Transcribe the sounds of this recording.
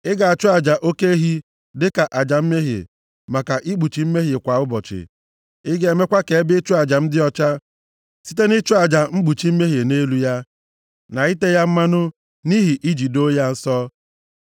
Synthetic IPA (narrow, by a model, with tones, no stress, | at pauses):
ɪ˦ɡa˨a˨t͡ʃʊ˦a˨d͡ʒa˨ʔo˦ke˦ɦi˦ | dɪ˦ka˨ʔa˨d͡ʒa˨m̩˦me˦ɦḛ˨ | ma˨ka˨ʔi˦ɡ͡bu˨t͡ʃi˨˦m̩˦me˦ɦɪ˨kʷa˨ʊ˦bɔ˨t͡ʃɪ̰˨ | ɪ˦ɡee˨me˦kʷa˦ke˨˦bɪ˦t͡ʃʊ˦a˨d͡ʒa˨m̩˦dɪ˦ɔ˦t͡ʃa˦ | si̥˦te˦nɪ˦t͡ʃʊ˦a˨d͡ʒa˨ŋ͡m̩˦ɡ͡bu˨t͡ʃi˨˦m̩˦me˦ɦe˨ne˦lu˦ja˦ | na˨i˦te˦ja˦m̩˦ma˦nʊ˦ | ni˦ɦi˨ʔi˦d͡ʒi˨do˦ja˦n̩˦sɔ˦